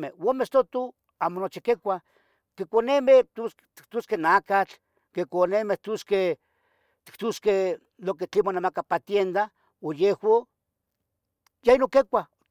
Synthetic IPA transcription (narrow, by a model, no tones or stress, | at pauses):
mewomest̪ot̪u | amonot͡ʃikekʷa | kekʷonemet̪us | t̪i̥k̚t̪uskenakat͡ɬ | kekʷonemeht̪uske | t̪i̥kt̪uske | loket͡ɬimonamakapat̪jend̪a | ojehwo | jainokekʷa